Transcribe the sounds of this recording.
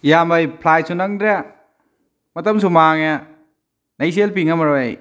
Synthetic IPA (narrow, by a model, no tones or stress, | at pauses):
jamɐjpʰlajsunɐŋdɾe | mɐtɐmsumaŋa | nɐjs̬elpiŋamɐɾoaj